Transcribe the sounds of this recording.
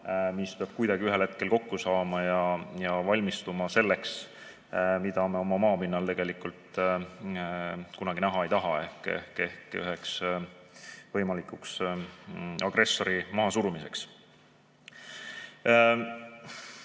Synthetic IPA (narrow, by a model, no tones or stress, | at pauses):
mispeɑb̥̚kujd̪ɑɡ̥iyɦelhe̞t̪̚ke̞lko̞kːusɑːmɑjɑjɑvɑlʲmist̪umɑse̞lːe̞ks | mid̪ɑmeo̞mɑmɑːpinːɑlt̪e̞ɡ̥e̞likult̪ˑ | kunɑɡ̥inæɦɑe̞jt̪ɑɦɑe̞hkḛhke̞hky̰ɦe̞ks | vɤ̞jmɑlikˑuks | ɑɡ̥ɾe̞sːo̞ɾimɑɦːsuɾumise̞ks